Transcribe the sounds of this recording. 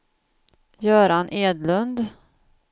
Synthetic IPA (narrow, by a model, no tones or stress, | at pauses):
jœːɾanʔeːd̪lɵnd̪